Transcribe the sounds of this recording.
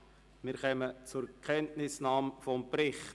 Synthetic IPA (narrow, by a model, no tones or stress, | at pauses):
mɪɾχœmət͡sʊɾkʰɛntnɪsnɑːmfɔmprɪχt